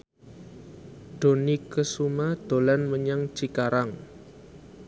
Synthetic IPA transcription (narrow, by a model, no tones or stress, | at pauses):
d̥o̤nikəsumad̪̥o̤lanməɲaŋt͡ʃikaɾaŋ